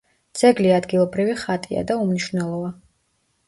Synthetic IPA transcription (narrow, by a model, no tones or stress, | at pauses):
d̪z̥ɛɡliad̪ɡilˠɔbɾiviχat̪ʼia̰d̪aumniʃvnɛlˠɔva